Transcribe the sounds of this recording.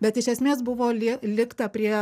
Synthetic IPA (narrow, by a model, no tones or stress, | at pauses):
bʲɛt̪ɪʃʲɛsʲmʲeːsbʊʋoːlʲɪlʲɪkt̪ɐpʲɾʲiɛ